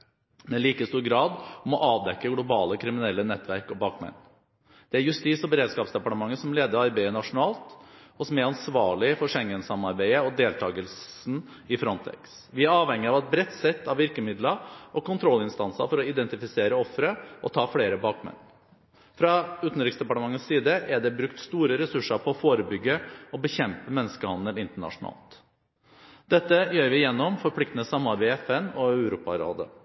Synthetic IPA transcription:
mɛliːkəst̪uːɾɡɾɑːd̪ɔmɔʔɑːʋd̪ɛkːəɡlʊbɑːləkʰɾɪmɪnɛlːənɛt̪ʰʋæɾkɔbɑːkmɛ̰nː | d̪̥ɛæɾjʉst̪iːsɔbəɾeːd̪skɑːpsd̪ɛpɑʈəmɑŋːəsɔmleːd̪əɾɑɾbæɪənɑʂʊnɑːlt̪ɔsɔmæɾɑnsʋɑːɭɪfɔʂɛŋːənsɑmɑɾbæɪəɔd̪eːlt̪ʰɑːɡəlsn̩ | ɪfɾɔnt̪ʰɛ̰ks | ʋɪæɾɑːʋhɛŋːɪɑʋɛt̪̚bɾɛt̪ːsɛt̪ːɑʋɪɾkəmɪd̪ləɔkʊnt̪ʰɾɔlːɪnst̪ɑnsə̰ɾfɔɾɔɪd̪ɛnt̪ɪfɪseːɾəɔfːɾəʔɔt̪ʰɑːfɽeːɾəbɑːkmɛ̰nː | fɾɑʉːt̪n̩ɾɪksd̪ɛpɑʈəmɑŋːəssiːd̪əʔæɖɛbɾʉkt̪st̪uːɾəɾɛsʉʂəɾpʰɔɔfoːɾəbʏɡːəɔbəçɛmpəmɛnːəskəhɑnd̪əlɪnt̪əɳɑ̰ʂʊnɑ̰ːlt̪ | d̪ɛt̪ːəjøːɾʋɪjɛnːɔmfɔɾpʰlɪkt̪nəsɑmːɑɾbæɛfɛnɔœʉɾuːpɑɾo̰ːd̪ə̰

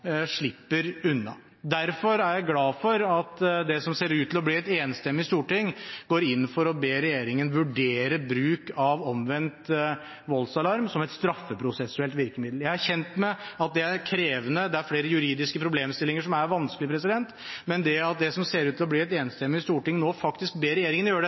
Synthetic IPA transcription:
ʂɭɪpːəɾʉnːɑ̰ | d̪æɾfɔɾæɾjæɪɡlɑːfɔɾɑt̪d̪ɛsɔmseːɾʉːt̪ʰːɪlɔbliːɛt̪eːnst̪ɛmːɪst̪uːʈɪŋːɡ̥oːɾɪnːfɔɾɔbeːɾɛjeːɾɪŋənʋʉɖeːɾəbɾʉːkɑʋɔmʋɛnt̪ | ʋɔlsɑlɑɾmsɔmɛt̪st̪ɾɑfːəpʰɾʊsɛsʉɛlt̪ʋɪɾkəmɪd̪l̩jæɪhɑɾçɛnt̪mɛɑt̪̚d̪ɛæɾkʰɾeːʋənəd̪ɛæɾfɽeːɾəjʉɾiːd̪ɪskəpʰɾʊbleːmst̪ɪlːɪŋəʂɔmæɾʋɑnskəlɪpʰɾɛsɪd̪ɛnt̪ | mɛnd̪ɛɑt̪̚d̪ɛsɔmseːɾʉt̪ʰɪlɔbliːɛt̪eːnst̪ɛmːɪɪst̪uːʈɪŋnoːfɑkt̪ɪskbeːɾɛjeːɾɪŋənjøːəɖɛ

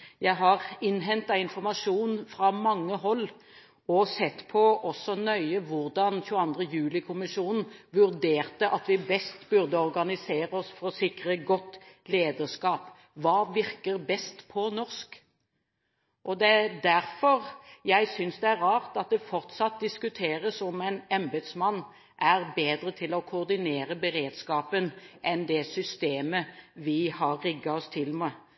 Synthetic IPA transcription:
jæɪɦɑɾɪnːɦɛnt̪ɑɪnfɔʁmɑʂuːnfɾɑmɑŋːəɦɔlː | ɔsɛt̪ːpʰɔʔɔsːɔnœʏəʋʊʁd̪ɑnçʉːəɑnd̪ʁəjʉːlɪkʰʊmɪʃuːnn̩ʋʉɾd̪eːʁt̪əʔɑt̪ʋɪbɛst̪bʉɾd̪əɔɾɡɑnɪseːɾəɔsfɔɾɔsɪkɾəɡɔt̪ːleːd̪əʁskɑːp | ʋɑːʋɪɾkəɾbɛst̪pʰɔnɔʁsk | ʔɔd̪ɛd̪æɾfɔɾjæɪsʏnsd̪ɛæɾɾɑːʁt̪ɑt̪̚d̪ɛfɔʁt̪sɑt̪̚d̪ɪskʉt̪ʰeːɾəsɔmæɪnɛmbəd̪smɑnː | ʔæɾbeːd̪ɾət̪ʰɪlɔkʰʊːʁd̪ɪneːɾəbəɾeːd̪skɑːpənʔɛnd̪ɛsʏst̪eːməʋɪhɑːɪɡːɑɔst̪ʰɪlmɛ

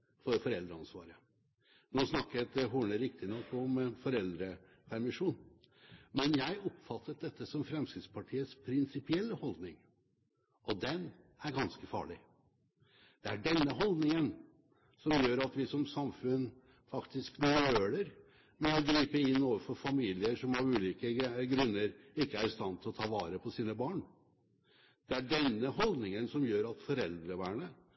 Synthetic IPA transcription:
fɔɾfɔɾɛld̪ɾəɑnsʋɑ̰ːɾə | noːsnɑkːət̪ɦuːɳəɾɪkt̪ɪnɔkːɔmfɔɾɛld̪ɾə | pʰæɾmɪʂuːn | mɛnjæɪɔpfɑt̪ʰːətd̪ɛt̪ːəsɔmfɾɛmskɾɪt̪spʰɑʈʰiːəspʰɾɪnsɪpɪɛlːəhɔld̪nɪŋ | ɔd̪ɛn | æɾɡɑnskəfɑ̰ːɭɪ | d̪̥ɛæɖɛnːəɦɔld̪nɪŋən | sɔmjøːɾɑt̪ʋɪsɔmsɑmfʉn | fɑkt̪ɪsknøːɽəɾ | mɛɔɡɾiːpəɪnːoːʋəɾfɔɾfɑmiːlɪəʂɔmɑɾʉːliːkəɡɾʉnːəɾɪkːəæɾst̪ɑnːt̪ʰɪlɔt̪ʰɑːʋɑːɾəpʰɔsiːnəbɑːɳ | d̪̥ɛæɖɛnːəhɔld̪nɪŋənsɔmjøːɾɑt̪fɔɾɛld̪ɾəʋæːɳə

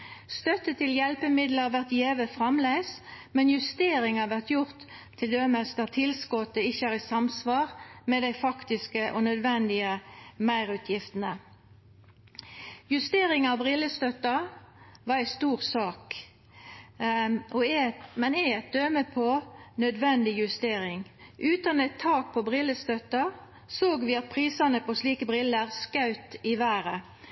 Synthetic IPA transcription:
st̪œt̪ːət̪ʰːɪljɛlpəmɪd̪ləʁʋæʁt̪jeːʋəfʁɑmlæɪsmɛnjʉst̪eːɾɪŋɑʋæʁt̪jʊʁt̪ʰː | ɪld̪øːməsd̪æʁt̪ʰɪlskɔt̪ːəɪçːəæːʁɪsɑmsʋɑːʁmɛd̪æɪfɑkt̪ɪskəʔɔnœd̪ʋɛnd̪ɪəmæɪʁʉːt̪ʰjɪft̪ənə | jʉst̪eːʁɪŋɑʋbʁɪlːəst̪œt̪ːɑʋɑæɪst̪uːʁsɑːk | ʔɔmɛnɛɛt̪̚d̪øːməpʰɔnœd̪ʋɛnd̪ɪjʉst̪eːʁɪŋʔʉːt̪ɑnɛt̪ʰːɑːk̚pʰɔbʁɪləst̪œt̪ɑ | soːɡʋɪɑt̪̚pʰʁiːsɑnəpɔsliːkəbʁɪlːəʁskɑʉt̪ɪʋæːʁə

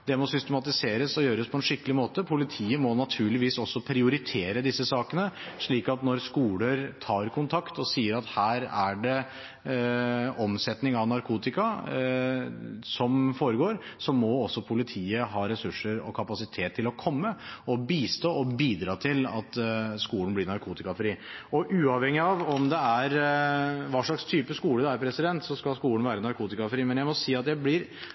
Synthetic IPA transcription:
d̪ɛmɔsʏst̪ɛmɑt̪ɪseːɾəsɔjøːɾəspʰɔɛnʂɪkːəlɪmoːt̪əpʰʊlɪt̪ʰiːəmɔnɑt̪ʰʉːɭɪʋiːsɔsːɔpʰɾɪʊɾɪt̪ʰeːɾəd̪ɪsːəsɑːkənəʂɭiːkɑt̪nɔɾskuːləɾt̪ʰɑːɾkʰʊnt̪ʰɑkt̪ɔsiːəɾɑt̪hæːɾæɖɛ | ɔmsɛt̪nɪŋɑʋnɑɾkʰuːt̪ɪkɑ | sɔmfoːɾəɡoːɾsɔmɔɔsːɔpʰʊlɪt̪ʰiːəɦɑːɾɛsʉʂːəɾɔ̰kʰɑpɑsɪt̪ʰeːt̪ʰːɪlɔkʰɔmːəɔbiːst̪oːɔbiːd̪ɾɑːt̪ʰɪlɑ̰t̪skuːln̩blɪɾnɑɾkʰuːt̪ɪkɑfɾiːɔʔʉːɑʋhɛŋːɪɑʋɔmd̪ɛæɾ | ʋɑːʂɭɑkst̪ʰyːpəskuːləd̪ɛæɾpʰɾɛsɪd̪ɛnt̪sɔskɑlskuːlənʋæːɾənɑɾkʰuːt̪ɪkɑfɾiːmɛnjæɪmɔsiːɑt̪jæɪblɪɾ

